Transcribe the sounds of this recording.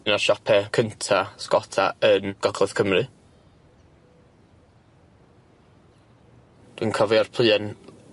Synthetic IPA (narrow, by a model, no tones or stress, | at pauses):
naʃɔpʰɛkʰəntʰaskɔtʰaənɡ̥ɔɡlˠɔθkʰəmrɨ | d̥winkʰɔviarpʰl̥ˠɨːɛn